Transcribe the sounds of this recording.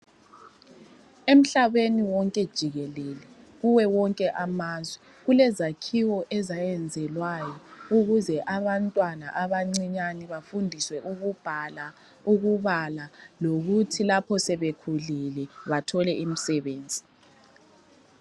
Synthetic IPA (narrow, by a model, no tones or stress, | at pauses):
em̩ɬaβeniwɔŋkʼɛd̥ʒ̥ʱiɣɛlɛlɛ | ɣuwɛwɔŋkʼɛʔamaːzwɛ | ɣulɛzakʰiwɔʔɛzajɛnd͡zʱɛlwajɔuɣuzɛʔaβantʼwana̰ʔaβaŋ͡ǀiɲaniβafundʱiswɛʔuɣub̥ʱala | uɣuβalaloɣutʰilapʰɔsɛβekʰulilɛβatʰɔlɛim̩sɛβeːnd͡zʱi